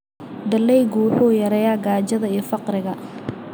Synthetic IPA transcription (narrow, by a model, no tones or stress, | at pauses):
d̪ɐlɛjɡuːħuːjɐɾɛjaɡaːd͡ʒɐðɐijfɑqrɪɣɐ